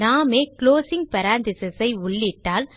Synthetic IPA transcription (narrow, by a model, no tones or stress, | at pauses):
naːmeːkɭoːsɪŋɡ̚pɐɾaːnd̪ɪsɐsɐɪʊɭːɪʈːaːl